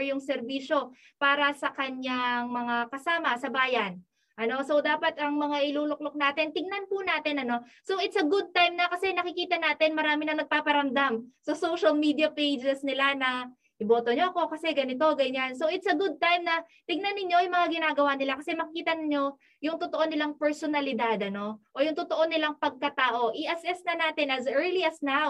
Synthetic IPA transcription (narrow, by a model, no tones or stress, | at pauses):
jʊŋsɛɾbiːʃo̞ | paːɾɐsɐkɐɲaŋmɐŋakɐsaːmɐsɐbaːjɐn | ʔɐno̞so̞wd̪aːpɐt̪̚ʔɐŋmɐŋaʔɪluːlok̚lok̚naːt̪ɪnt̪ɪɡ̚nɐnpʊnaːt̪ɪnɐno̞ | so̞ʔɪt̪sɐɡʊd̪̚t̪ajmnɐkɐsɛnɐkɪkiːt̪ɐnaːt̪ɪnmɐɾaːmɪnɐŋnɐɡ̚paːpɐɾɐmd̪amsɐsowʃɐlmiːd̪iɐpejd͡ʒɛsnɪlanɐ | ʔɪboːt̪oɲo̞ʔɐko̞kɐsɛɡɐnɪt̪o̞ɡɐjʊɲanso̞ʔɪt̪sɐɡʊd̪̚t̪ajmnɐ | t̪ɪɡ̚nɐnːɪɲːo̞jʊŋmɐŋaɡɪnaːɡɐwanɪlakɐsɛmɐkɪkiːt̪ɐnɪɲo̞ | jʊŋt̪ot̪o̞ʔo̞nɪlaŋpɛɹsonɐlɪd̪ad̪ɐno̞ʔoːjʊŋt̪ot̪o̞ʔo̞nɪlaŋpɐɡ̚kɐt̪aːʔo̞ʔiʔɐsʔɛsnɐnaːt̪ɪnʔɐzʔɛɹliɐsnaw